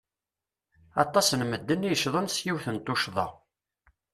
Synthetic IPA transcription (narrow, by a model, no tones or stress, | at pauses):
ɑ̰t̪ˤːɑsnməd̪ːənːijəʃðˤənsjiwθənt̪ˤːʊʃðˤɑ̰